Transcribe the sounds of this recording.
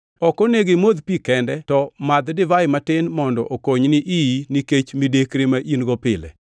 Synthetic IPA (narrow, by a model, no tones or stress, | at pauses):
ɔkɔneɡemod̪pikɛndɛtɔmad̪dɪvajɪmatɪnmɔndɔʔokoɲnɪʔiniket͡ʃmidekɾemaʔinɡɔpɪlɛ̰